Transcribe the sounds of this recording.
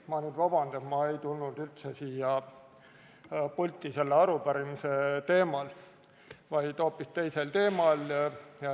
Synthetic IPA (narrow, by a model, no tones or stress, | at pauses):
mɑnyːd̪vɑb̥ɑnd̪̥et̪mɑe̞jt̪ulnud̪ylt̪sesiːjɑ | pulʲt̪ːˑise̞lːeɑɾupæɾimise̞t̪e̞ːmɑl | vɑjd̪̥o̞ːpːist̪e̞jse̞lt̪e̞ːmɑl